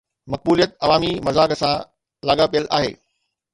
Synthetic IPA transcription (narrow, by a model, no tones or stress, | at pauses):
mɐk̚buːlijət̪ɐʋaːmimɐzaːkəsã | laːɠapijəlʔa̰ːɦḛː